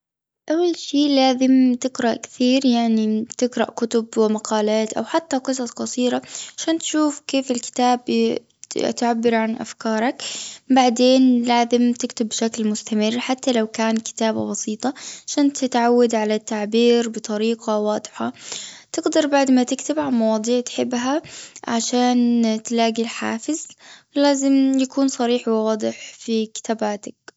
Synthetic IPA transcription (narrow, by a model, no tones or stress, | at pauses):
ʔawːalʃiːlaːzɪmt̪ɪɡɾˤɑʔkɪ̥θiːɾjaʕnit̪ɪɡɾˤɑ̰ʔkʊt̪ʊbwɪmaqɑːlaːt̪ʔa̰wħat̪ːaqɨs̬ˤɑsˤqɑsˤiːɾaʕaʃaːnt̪ʃuːfkeːfɪlkɪ̥t̪aːb | t̪ʕabːɪɾʕanʔa̰fkɑːɾˤɑkbaʕd̪eːnlaːzɪmt̪ɪkt̪ʊbːʃaklmʊst̪amɪrːħat̪ːalawkaːnkɪ̥t̪aːba̰bɑsiːt̪ˤɑʕaʃaːnt̪ɪt̪ʕawːad̪ʕalat̪ːaʕbiːɾbɨt̪ˤɑɾiːqɑwɑːd̪ˤħat̪ɪɡd̪ɑɾˤbaʕd̪mat̪ɪkt̪ɪbʕanmɑwɑːd̪ˤiːʕt̪ħɪbːɦaʕaʃaːnt̪laːɡilħa̰ːfɪzlaːzɪmjakuːnsˤɑɾiːħwwɑːd̪ˤɨħfikɪ̥t̪aːbaːt̪ak̚